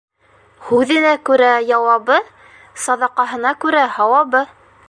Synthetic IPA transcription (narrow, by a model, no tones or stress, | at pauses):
hʉðɘ̆nækʉɾæjɑwɑβɤ | sɑd̪ɑqɑɦɤ̆nɑkʉɾæhɑwɑβɤ